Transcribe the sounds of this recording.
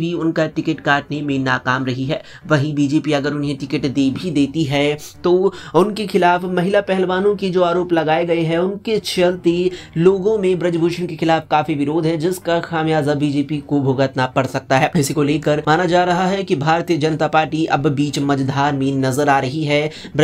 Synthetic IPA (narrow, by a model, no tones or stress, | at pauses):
bʱiʊnkaʈɪkəʈkaːʈnemẽnaːkaːmɾɐɦiɦɛː | ʋɐɦĩbiːd͡ʒeːpiɐɡəɾʊnɦẽʈɪkəʈd̪eːbʱid̪eːt̪iɦɛt̪oʊnkexɪlaːfmɐɦɪlapɛɦɛlʋaːnõkid͡ʒoːaːɾoːplɐɡaːeɡɐeɦɛʊnket͡ʃʰɐlt̪eloːɡõmẽbɾɐd͡ʒbʱuːʃənkexɪlaːfkaːfiʋɪɾoːd̪ʱɦɛ̃d͡ʒɪskaxaːmjaːzabiːd͡ʒeːpikobʱoːɡət̪napɐɽsɐk̚t̪aɦɛːɪsikoleːkəɾmaːnad͡ʒaːɾɐɦaɦɛkibʱaːɾt̪ijəd͡ʒɐnət̪apaːɾʈiʔɐbbiːt͡ʃmɐd͡ʒd̪ʱaːɾmẽnɐzəɾaːɾɐɦiɦɛ | b